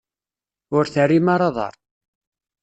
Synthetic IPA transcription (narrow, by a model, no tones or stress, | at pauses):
ʊɾθərːimaɾˤɑðˤɑ̰ɾˤ